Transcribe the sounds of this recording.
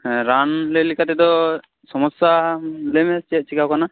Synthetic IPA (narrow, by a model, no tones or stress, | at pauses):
ɾanlelikat̪ɛd̪ɔ | sɔmɔsalemɛt͡ʃɛʔ̚t͡ʃikawkana